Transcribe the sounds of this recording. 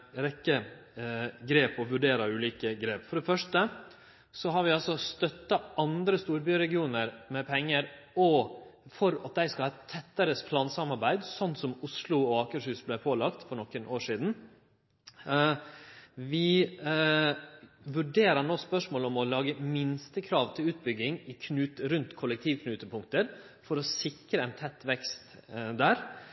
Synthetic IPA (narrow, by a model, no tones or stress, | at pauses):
ɾɛkːə | ɡɾeːpɔʋʉɖeːɾɑʉːliːkəɡɾeːpfɔɖɛfœʂtʈə | sɔɦɑɾʋɪɑlsɔst̪œt̪ːɑɑnd̪ɾəst̪uːɾbyːɾɛɡɪuːnəɾmɛpʰɛŋːəɾɔfɔɾɑt̪̚d̪æɪskɑlɑːt̪ʰːɛt̪ːəɾəspʰlɑːnsɑmɑɾbæɪd̪sɔnːsɔmʊslʊɔɑːkəʂʉːsblæɪpʰoːlɑkt̪fɔɳɔkːənʔoːʂiːd̪n̩ | ʋɪ | ʋʉɖeːɾənoːspœʂmoːlɔmɔlɑːɡəmɪnst̪əkʰɾɑːʋt̪ʰɪlʉːt̪̚bʏɡːɪŋɪkʰnʉːt̪əɾʉnt̪kʰɔʊlːəkt̪ʰiːʋkʰnʉːt̪əpʰʊŋkt̪əɾ | fɔɾɔsɪkɾəɛɪnt̪ʰɛt̪ːʋɛkst̪d̪æːɾ